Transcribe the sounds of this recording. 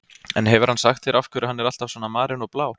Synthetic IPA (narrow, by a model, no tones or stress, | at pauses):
ɛ̰nɦɛvʏɾ̥hansaxt̪fɪɾafkʰvɛɾɪhanːɛɾalt̪avsɔːnamaːɾɪnɔɣplaːw